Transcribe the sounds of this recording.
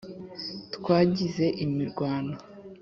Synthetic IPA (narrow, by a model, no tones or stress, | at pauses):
tkwaːɟize̞ʔimiɾɡwaːna